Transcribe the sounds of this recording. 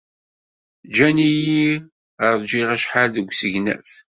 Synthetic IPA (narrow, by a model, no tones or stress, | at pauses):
d͡ʒæniji | əɾˤd͡ʒiʁæʃħalðəɡʷsəʝnæ̰f